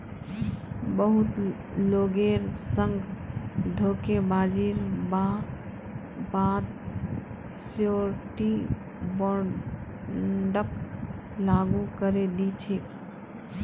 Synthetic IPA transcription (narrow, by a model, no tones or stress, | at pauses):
bəɦut̪ | loɡeɾsəŋɡ | d̪ʱokebad͡ʒiɾba | bad̪ | sjoɾʈi | bo | ɖək̚ | laɡukəɾed̪it͡ʃʰik̪